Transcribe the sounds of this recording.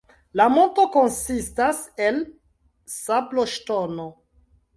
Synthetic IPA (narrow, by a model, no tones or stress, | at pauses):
lamo̞nto̞konsistasel | sabloʃtono